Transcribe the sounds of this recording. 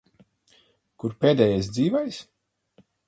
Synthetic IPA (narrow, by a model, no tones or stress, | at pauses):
kuɾpeːd̪ɛjajs̬d̪ziːvɛjs